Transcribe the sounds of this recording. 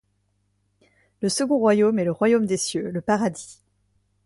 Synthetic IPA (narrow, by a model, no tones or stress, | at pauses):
ləsəɡɔ̃ʁwajomɛləʁwajomd̪esjøləpaʁad̪i